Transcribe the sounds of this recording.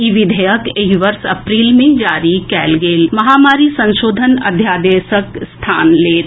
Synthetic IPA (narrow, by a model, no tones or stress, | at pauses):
iʋɪd̪ʱəjəkeɦiʋəɾsɐpɾiːlmẽd͡ʒaːɾikɛːlɡeːlmɐɦaːmaːɾisɐ̃nʃoːd̪ʱənɐ̰d̪ʱjaːd̪eːʃəkst̪ʰaːnleː